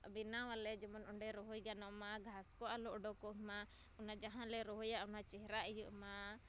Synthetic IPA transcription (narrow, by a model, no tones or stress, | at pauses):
binawalɛd͡ʒɔmɔnɔɳɖɛɾɔɦɔjɡanɔʔmaɡʱaskɔʔalɔʔɔɖɔkɔʔma | ɔnad͡ʒaɦãlɛɾɔɦɔjaʔunat͡ʃɛɦɾaʔɛjuʔma